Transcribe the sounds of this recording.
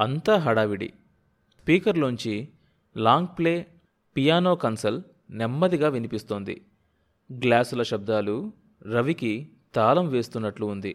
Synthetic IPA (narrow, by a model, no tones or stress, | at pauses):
ɐnt̪aːɦɐɽaːʋiɽḭ | spiːkɐɾloɲt͡ʃi | laːŋɡ̚ple̞ː | pijaːnoːkɐnsɐl | nɛmːɐd̪iɡaːʋinipist̪oːnd̪ḭ | ɡlaːsulɐʃɐb̚d̪aːlu | ɾɐʋiki | t̪aːlɐmʋe̞ːst̪unːɐʈluːnd̪i